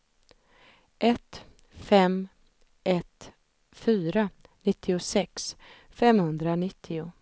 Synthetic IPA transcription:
ʔɛt̪ | fɛm | ʔɛt̪ | fyːɾa | nɪt̪ʰːɪʊsɛks | fɛmhɵnd̪ɾanɪt̪ʰːɪʊ

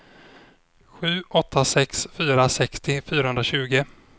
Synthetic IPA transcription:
ɧʉ̟ːʔɔt̪ʰːasɛksfyːɾasɛkst̪ɪfyːɾahɵnd̪ɾaɕʉ̟ːɡə

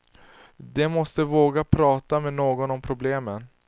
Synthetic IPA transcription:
d̪ɛmɔst̪əvoːɡapʰɾɑːt̪amɛnoːɡɔnɔmpʰɾʊbleːmən

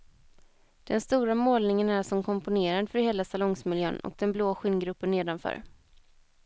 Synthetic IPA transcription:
d̪̥ɛnst̪uːɾamoːlnɪŋənæʂɔmkʰɔmpʊneːɾand̪əfœɾheːlasalɔŋsmɪljø̰ːnɔ̰k̚d̪ɛnbloːɧɪnɡɾɵpːəneːd̪anfœ̰ːɾ

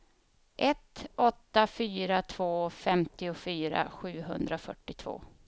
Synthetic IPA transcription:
ʔɛt̪ɔt̪ːafyːɾat̪ʰvoːfɛmt̪ɪʊfyːɾa̰ɧʉ̟ːɦɵnd̪ɾafœʈːɪt̪ʰvo̰ː

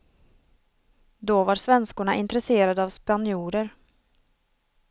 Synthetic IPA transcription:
d̪ɔvaɾsvɛnskʊɳaʔɪnt̪ɾɛseːɾad̪əavspanɪuːɾəɾ

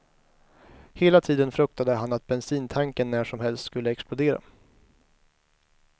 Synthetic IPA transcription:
heːlat̪ʰiːd̪ənfɾɵk̚t̪ad̪əɦanːat̪̚bɛnsiːnt̪ʰaŋkənːæːʂɔmhɛlst̪skɵlːəɛksplʊd̪eːɾa̰

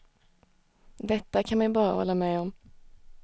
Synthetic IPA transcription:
d̪ɛt̪ːakʰanmɛjbɑːɾa̰hɔ̰lːamɛːɔm

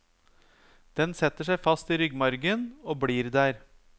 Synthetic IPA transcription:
d̪̥ɛnsɛt̪ːəʂæɪfɑst̪iːɾʏɡmɑɾɡənoːbɽiːɾd̪æːɾ

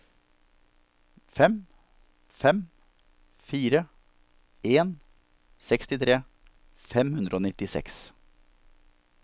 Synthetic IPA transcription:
fɛm | fɛm | fiːɾə | ʔeːn | sɛkst̪ɪt̪ʰɾeː | fɛmhʉnd̪ɾəoːnɪt̪ɪsɛ̰ks

